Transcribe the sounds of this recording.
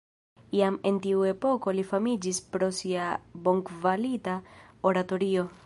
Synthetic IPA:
iame̞ntiue̞po̞ko̞lifamid͡ʒispɾo̞siabo̞ŋkvalitaoɾato̞ɾio̞

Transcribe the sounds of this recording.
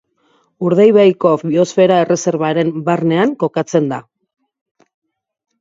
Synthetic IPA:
uɾð̞ajβajkofβio̞sfe̞ɾae̞re̞se̞ɾβaɾe̞mbarne̞aŋko̞kat͡se̞nd̪a

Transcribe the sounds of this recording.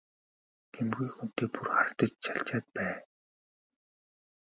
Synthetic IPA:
ɡ̥ʰemɣuːkxun̥t̪eːpurχaɾt̪ə̆t͡ɕt͡ɕʰaɬt͡ɕaːt̪̚pæː

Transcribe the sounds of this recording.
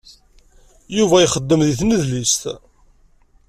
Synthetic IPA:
juvæjχəd̪ːəmðiθməðlist̪

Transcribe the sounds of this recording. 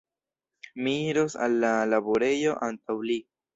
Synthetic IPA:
miɾosa̰lːalabo̞ɾe̞jo̞ʔantawli

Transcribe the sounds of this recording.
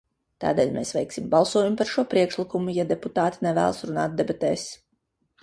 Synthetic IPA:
t̪a̰ːd̪ɛːlʲmeːsʋɛjksimbɑlˠsuɔjumpaɾʃuɔpɾiɛkʃlˠikumujad̪ɛput̪aːt̪i̥nɛvæ̰ːlˠsɾuna̰ːt̪̚d̪ɛbat̪ɛːs

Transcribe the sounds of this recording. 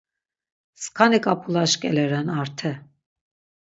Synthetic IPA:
skʰanikʼapʰulaʃkʼɛlɛɾɛnaɾt̪ʰɛ

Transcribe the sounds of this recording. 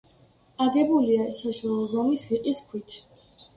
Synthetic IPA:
aɡɛbuliasaʃwalˠɔzɔmisiqʼiskʰwit̪ʰ

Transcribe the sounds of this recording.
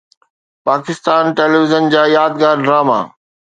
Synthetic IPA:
paːkɪst̪aːnʈeːlːʋɪzənd͡ʑaːjaːd̪ɡaːɾɖɾaːma̰ː

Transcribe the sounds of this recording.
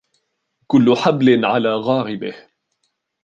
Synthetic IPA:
kʊlːʊħablɪnʕalaːɣɑːɾɪbɪh

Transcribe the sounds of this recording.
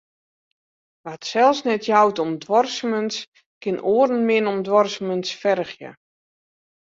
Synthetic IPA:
ʋatsɛlˠsnɛtʰjawtɔmdʋɔrsəməns | kɪnʔoərn̩mɪnɔmdʋɔrsəmənsfɛrxjə̰

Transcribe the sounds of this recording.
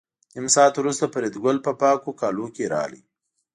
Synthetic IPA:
ɪmsɑːt̪wɾust̪apəɾed̪ɡʊlpəpɑkokɑlokeɾɑ̰lḭ

